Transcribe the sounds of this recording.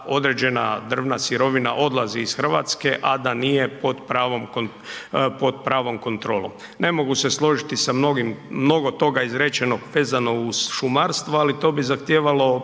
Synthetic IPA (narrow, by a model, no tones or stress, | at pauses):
o̞d̪ɾed͡ʑe̞nad̪r̩ʋnasiɾo̞ʋinaʔo̞d̪lˠaziːsxr̩ʋa̰t̪ske̞ʔad̪anijepo̞d̪pɾaːʋomko | po̞d̪pɾaːʋo̞mko̞nt̪ɾo̞ːlˠo̞̰m | ne̞mo̞ɡuseslˠo̞ʒit̪isamnoɡimːno̞ɡo̞t̪o̞ɡaizɾet͡ɕeno̞ɡʋe̞ːzano̞uz̥ʃumaɾst̪ʋoalit̪o̞ːbizaxt̪jeːʋalo̞